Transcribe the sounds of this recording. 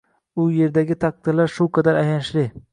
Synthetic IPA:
ʊje̞ɾd̪aɡʲɪt̪ʰaq̚t̪ɪlaɾʃʊqʰad̪aɾajanʃlɪ

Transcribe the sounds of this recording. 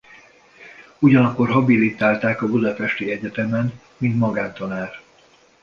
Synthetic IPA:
uɟɒnɒkːo̞rɦɒbilit̪aːlt̪aːkɒbud̪ɒpɛʃt̪iɛɟɛt̪ɛmɛn | mint̪mɒɡaːnt̪ɒnaːr

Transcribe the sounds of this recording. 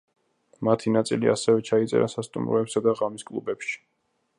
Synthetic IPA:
mat̪ʰinat̪sʼilia̰sɛvɛt͡ʃʰait̪sʼɛ̰ɾasast̪ʼṵmɾɔɛpsad̪aʁamiskʼlˠṵbɛpʃi̥

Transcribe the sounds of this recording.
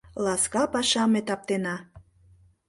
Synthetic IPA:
lɑskɑpɑʃɑmet̪ɑp̚t̪enɑ

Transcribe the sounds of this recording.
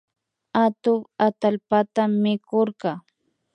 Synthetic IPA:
at̪ʊŋat̪alpat̪amːɪkoɾɢɑ

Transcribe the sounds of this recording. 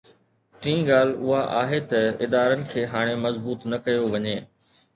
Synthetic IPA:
ʈĩːɡaːl̤ʊɦaʔa̰ːɦet̪ɐɪd̪aːɾənɪ̆kʰeːɦaːɽ̃emɐzbuːt̪nɐkɐjoʋɐɲeː

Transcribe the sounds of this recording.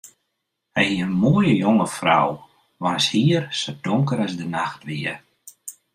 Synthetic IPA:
hɛjiənmoəjəjoŋəfra̰w | ʋanshiərsodoŋkəɾazdənaxtʋiə

